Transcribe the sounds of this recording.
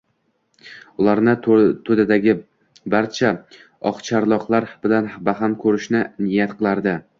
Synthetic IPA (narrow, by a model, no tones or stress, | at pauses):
ʊlˠaɾnɪt̪ʰɵd̪ad̪aɡʲɪ | baɾt͡ʃʰa | ɒqt͡ʃʰaɾlˠɒqlˠaɾb̥ɪlanbaɦamkʰɵɾɪʃnɪnɪjat̪qʰɨlˠaɾd̪ɪ